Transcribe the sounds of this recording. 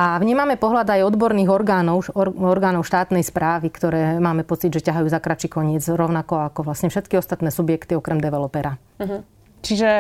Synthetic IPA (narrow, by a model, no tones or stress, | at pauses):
ʔaʋɲiːmamɛpɔɦlad̪ajɔd̪bɔɾniːɣɔɾɡaːnɔʊɔɔɾɡaːnɔʊʃt̪aːt̪nɛjspɾaːʋikt̪ɔɾɛːmaːmɛpɔt͡sid̪ʒɛcaɦajuːzakɾat͡ʃikɔɲɪɛd͡zɾɔʊnakɔakɔʋlasɲɛfʃɛt̪kiɔst̪at̪nɛːsubjɛkt̪iɔkɾɛmd̪ɛʋɛlɔpɛɾa | ɦ | t͡ʃiʒɛ